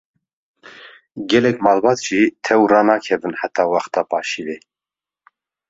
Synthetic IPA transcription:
ɡɛlɛkmɑːlbɑt̪ʒ̥it̪ʰɛwrɑːnɑːkʰɛvɨnħat̪ʰɑːwɑχt̪ɑːpʰɑːʃivi

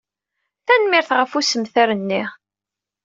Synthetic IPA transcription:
θænmɪɾθʁəfusəmθaɾənːiʁ

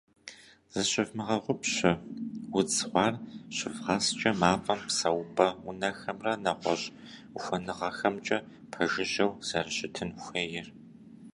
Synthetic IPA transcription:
z̥ɨɕɪvmɨʁɐʁʷʊpɕɪwʊt͡sχʷɑːrɕɪvʁɑst͡ʃʼɐmaːfʼɐmpsɐwbʼɐʊnɐxɐmrɐnɐʁʷɔɕʼ | xʷɔnɨʁɐxɐmt͡ʃʼɐ | pʰɐʒɪʒɐwz̥ɐrɕɪtʰɨnxʷeːjɪr

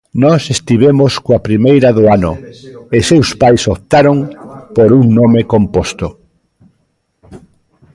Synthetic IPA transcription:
nɔsest̪iβ̞emoskoapɾimejɾaðʊanʊesewspajsopt̪aɾoŋpoɾuŋnomekompost̪ʊ

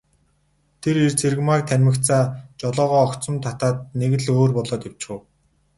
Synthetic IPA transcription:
t̪ʰeɾirt͡sʰerɣmakt̪ʰænʲmɘ̆k̪t͡saːt͡ɕɔɮɔːʁɔːɔkt͡sɞ̆mt̪ʰat̪aːt̪̚neɣɘ̆ɮoːrpɔɮɔːt̪ew̥t͡ɕxɘ̆w

